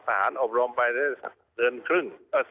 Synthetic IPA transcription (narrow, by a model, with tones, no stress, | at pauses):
sʰaː˧haː˩˦nʔo˨˩p̚ɾo˧mpa˧jta˥˩a̰˧˩ | t̪ɯ˧ənkʰɾɯ˥˩ŋaː˧˩